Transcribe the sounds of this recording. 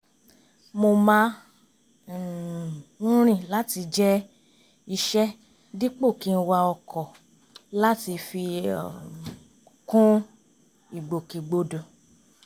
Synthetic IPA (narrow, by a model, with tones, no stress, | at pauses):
mo˧mã˧˦˨ | ɾ̃ĩ˦˨la˦ti˧d͡ʒɛ˦ | i˧ʃɛ˦ | di˦k͡po˦˨ki˧n̩˧wa˧ɔ˧kʰɔ˨ | la˦ti˧fḭ˧˨ | kũ˦ | i˨ɡ͡bo˨ki˨ɡ͡bo˨do˨